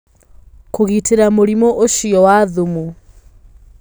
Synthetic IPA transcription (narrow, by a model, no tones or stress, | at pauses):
kuɣitʰiɾamoɾimɔʔoʃijɔwaðumu